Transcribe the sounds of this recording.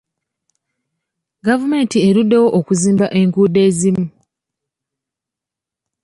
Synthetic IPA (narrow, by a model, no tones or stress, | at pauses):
ɡavume̞ːntie̞ɾudːe̞wo̞ʔokuziːmbaʔe̞ŋkuːde̞ːzimu